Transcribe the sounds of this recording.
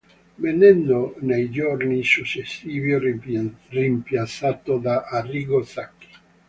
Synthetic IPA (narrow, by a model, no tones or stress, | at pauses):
menɛnːonejd͡ʒornisut͡ʃːesːiːvi | rimpjat̪sːat̪od̪aʔarːiːɡosakːi̥